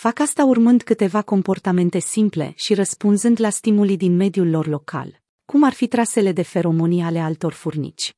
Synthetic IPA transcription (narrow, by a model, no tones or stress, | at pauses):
fakast̪aurmɨnd̪kɨt̪e̞vako̞mpo̞rt̪ame̞nt̪e̞simple̞̰ʃiɾəspunzɨnd̪last̪imulid̪inme̞d̪julːo̞rlo̞kʰa̰l | kumarfit̪ɾase̞le̞d̪e̞fe̞ɾo̞mo̞nijale̞alt̪o̞rfurnḭt͡ʃʲ